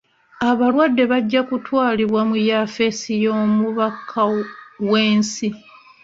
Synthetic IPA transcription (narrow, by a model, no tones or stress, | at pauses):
aβalwadːe̞βaɟːakutwaːliβwamujafe̞sijo̞ːmuβakʰawe̞ːnsi